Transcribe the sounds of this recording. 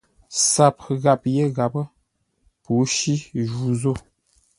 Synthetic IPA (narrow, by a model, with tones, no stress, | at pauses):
sa˨p̚ɣa˨p̚je˦ɣa˨pə˦ | pu˨˦ʃi˦ʒu˨zo˦˨